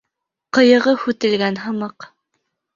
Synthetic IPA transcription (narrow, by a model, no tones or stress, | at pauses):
qɤ̆jɤ̆ʁɤhʉt̪ɘ̆lɡænɦɤ̆mɑq